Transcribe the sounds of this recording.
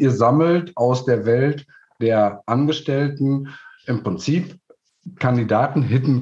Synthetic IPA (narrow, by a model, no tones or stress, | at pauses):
ʔiːɐzaml̩tʔaʊsd̥eːɐvɛlt | d̥eːɐʔanɡəʃtɛltn̩ʔɪmpʁ̥ɪnt͡siːp | kʰandidaːtn̩ɦɪtn̩